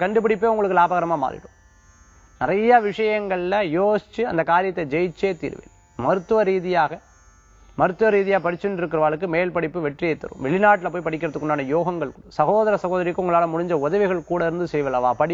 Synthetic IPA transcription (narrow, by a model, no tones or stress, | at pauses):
kɐɳɖɯpːɪɽɪpːeːʊŋɡɐɭɯkːɯlaːbɐɣɐɾɐmaːma̰ːðɪ̰ɽɯ̃ | nɪɾɐjaʋɪʂɐjɐŋɡɐɭlɐjoːsɪ̥t͡ʃːɯɐ̰nd̪ɐkaːɾɪjɐt̪ːɐd͡ʒɛjɪt͡ʃːeːt̪ḭːɾɯʋḛːl | mɐɾɯt̪ːɯʋɐɾiːðɪjaːɣɐ | mɐɾɯt̪ːɯʋɐɾiːðɪjaːɐpɐɽɪt͡ʃːɯnɪɾɯkːɪɾɐʋaːɭɯkːɯmeːlpɐɽɪpːɯʋɛʈrɪjɐɪt̪ːɐ̰ɾɯ̰̃mʋɛɭɪnaːʈːɪlɐpːoːjpɐɽɪkːɪɾɐt̪ːɯkːʊɳɖaːnɐjoːɣɐŋɡɐɭkʊɽɐsɐɣoːðɐɾɐsɐɣoːðɐɾɪkːɯʊŋɡɐɭaːlɐmʊɻɪɲd͡ʒɐʊðɐʋɪɣɐɭkuːɽɐɪɾɯnd̪ɯsɛjʋɐlɐʋaːpɐɽɪ